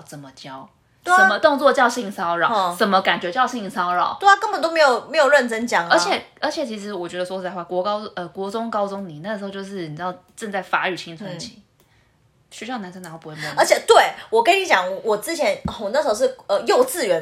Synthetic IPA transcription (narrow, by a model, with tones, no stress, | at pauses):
t͡sə˨˩nmə˦t͡ɕjɑ˦˥ʊ˥ | ə˨˥mə˦t̪ʊ˥˧ŋt͡swɔ˥˧t͡ɕjɑ˥˧ʊɕi˥˩ŋsɑ˥ʊɻɑ˨˩ʊ˧t͡sə˨˩nmə˦ka˨˩nt͡ɕɥɛ˧˥t͡ɕjɑ˥˧ʊɕi˥˧˩ŋsɑ˥ʊɻɑ̰˨˩˦ʊt̪we˥˧a˥kə˦ŋmbə˨˩nt̪o˥ʊme˧˥jo˨˩ʊme˧˥ɪjo˨˩ʊɻə˥˩nʈ͡ʂə˥nt͡ɕjɑ˨˩ŋə˧˥˧t͡ɕʰjɛ˨˩ | ə˧˥t͡ɕʰjɛ˨˩t͡ɕʰi˧˥ʂɻ̩˧˥wɔ˨˩t͡ɕɥɛ˧˥d̪ə˧swɔ˥˧t͡sa˥˧wa˥˩kwɔ˧˥kɑ˥ʊə˧kwɔ˧˥t͡sʊ˥ŋkɑ˥ʊt͡sʊ˥˦ŋni˨˩na˥˩ə˩ʂ̩˧˥˧t͡ɕjo˥˧ʂɻ̩˥˩ni˨˩˥jʊʈ͡ʂə˥˧ŋt͡sa˥˩ɪfa˧˥y˨˩t͡ɕʰi˥ŋt͡sʰə˧˦nt͡ɕʰi̥˧˩˦ | ɕɥɛ˧˥ɕjɑ˥˩ʊna˧˥nsŋn˨˥˩pu˧˥wə˞˧˥t͡ɕʰjɛ˨˩t̪we˥˩ɪwɔ˨˩kə˥ni˧˥t͡ɕjɑ˨˦ŋ˩wɔ˨˩t͡sɻ̩˥t͡ɕʰjɛ˧˥n˧˩˨nə˥˩ʂ̩˧˥o˥ʊ˩ʂə˧jo˥˧ʊt͡sɹ̩˥˨ɥɛ˧˥˦n